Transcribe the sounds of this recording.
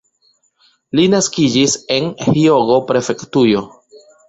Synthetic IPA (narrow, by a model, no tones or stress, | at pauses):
linaskid͡ʒise̞nhio̞ɡo̞pɾe̞fe̞ktujo̞